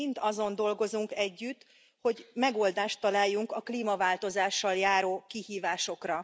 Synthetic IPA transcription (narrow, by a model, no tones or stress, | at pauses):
int̪ɒzo̞nd̪o̞lɡo̞zuŋkɛɟːyt̪ | ho̞ɟmɛɡo̞ld̪aːʃt̪ːɒlaːjːuŋkɒkliːmɒvaːlt̪o̞zaːʃːɒljaːɾoːkihiːvaːʃo̞krɒ